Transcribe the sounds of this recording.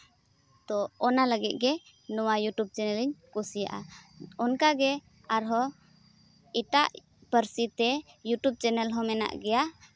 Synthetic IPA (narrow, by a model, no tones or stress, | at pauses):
t̪ɔɔnaləɡit̪̚ˀɡɛ | nɔwajuʈub̚t͡ʃɛnɛliɲkusija̰ʔaɔnkaɡɛ | aɾɦɔ | iʈaʔ | pəɾsit̪ɛjuʈub̚t͡ʃɛnɛlɦɔmɛna̰ʔɡɛja